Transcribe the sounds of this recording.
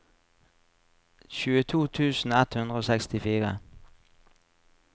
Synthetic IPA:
çʉːət̪ʰuːt̪ʰʉːsn̩ɛt̪hʉnd̪ʁəoːsɛkst̪ɪfiːʁə̰

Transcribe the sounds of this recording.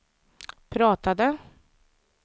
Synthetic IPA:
pʰɾɑːt̪ad̪ə

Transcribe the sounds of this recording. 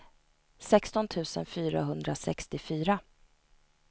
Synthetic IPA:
sɛkst̪ɔnt̪ʰʉ̟ːsə̰nfyːɾa̰ɦɵnd̪ɾasɛ̰kst̪ɪfyːɾa

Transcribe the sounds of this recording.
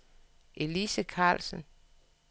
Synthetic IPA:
ʔe̝lisəkʰɑ̰̈ːlsən

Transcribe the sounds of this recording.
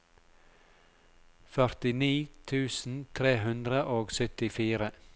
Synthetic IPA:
fœɾt̪ɪniːt̪ʰʉːsn̩t̪ʰɾeːhʉnd̪ɾəʔoːɡsœt̪ɪfiːɾə

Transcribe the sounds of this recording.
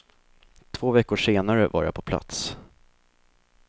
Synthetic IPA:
t̪ʰv̥oːvɛkːʊʂeːnaɾəva̰ɾja̰pʰɔpʰla̰t̪s

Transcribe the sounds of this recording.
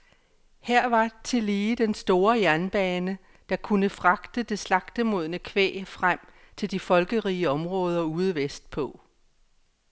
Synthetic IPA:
hæɐ̰ʋɑ̈t͡sʰe̝liːd̥ensd̥o̝ːɐjæɐnb̥ɛːnə | d̥ɑ̈kʰunəfʁɑ̈ɡ̥d̥əd̥e̝slɑ̈ɡ̥d̥əmo̝ð̞̰ˠnəkʰʋḛːfʁam̰ | t͡sʰe̝ld̥ifɒ̽lɡ̥əʁiːəɒ̽mʁɔ̽ːð̞ˠɐuːð̞̩ˠʋesd̥̚pʰɔ̽

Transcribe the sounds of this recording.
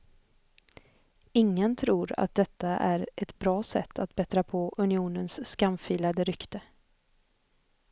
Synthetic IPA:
ɪŋːənt̪ʰɾuːɾa̰t̪̚d̪ɛt̪ːaʔæɾʔɛt̪bɾɑːsɛ̰t̪ʰːat̪̚bɛt̪ɾapʰɔʔɵnɪuːnənskamfiːlad̪əɾʏkt̪ə

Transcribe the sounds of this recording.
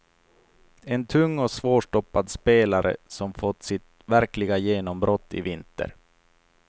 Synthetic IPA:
ɛnt̪ʰɵŋːɔsvoːʂʈɔpːad̪speːlaɾʔə̰sɔmfɔt̪ːsɪt̪ | væɾklɪɡajeːnɔmbɾɔt̪ːɪ̰vɪnt̪ə̰ɾ

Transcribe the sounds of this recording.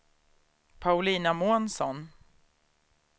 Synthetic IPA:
pʰaʊliːnamuːnsɔn

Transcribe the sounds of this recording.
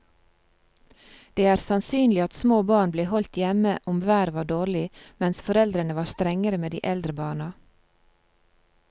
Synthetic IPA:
d̪̥eːæːɾsɑnsyːnlɪɑt̪smoːbɑːɳbleːhɔlt̪jɛməʔʊmʋæːɾʋɑːɖoːɾlɪmɛnsfɔɾɛld̪ɾənəʋɑːɾst̪ɾɛŋəɾəmeːd̪ḭːʔɛld̪ɾəbɑːɳɑ

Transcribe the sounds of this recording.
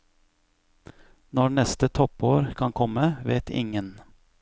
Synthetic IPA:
nɔɳɛst̪ət̪ʰɔpoːɾkʰɑŋkʰɔməʋeːt̪ʰɪ̰ŋən

